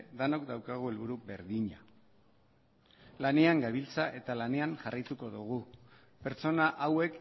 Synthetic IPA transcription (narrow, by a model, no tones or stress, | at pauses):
ðanok̚d̪awkaɣ̞uelβuɾube̞ɾðiɲa | lane̞aŋɡaβilt͡saʔe̞t̪alane̞aŋʝarajt̪uko̞ðuɣ̞u | pe̞ɾt͡so̞naʔawe̞k